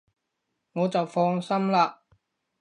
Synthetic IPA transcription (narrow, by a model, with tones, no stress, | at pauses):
ŋɔː˨˧t͡sɐ˨wfɔː˧ŋsɐ˥mlaː˧